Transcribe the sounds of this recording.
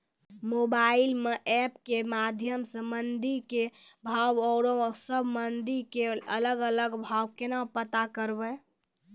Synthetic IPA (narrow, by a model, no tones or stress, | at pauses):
mobailmeʔɛpkemad̪ʱjəmsə̃mənd̪ʱikebʱaʋɔɾosəbʱmənd̪ʱikeələɡələɡbʱawkenapət̪akəɾbɛ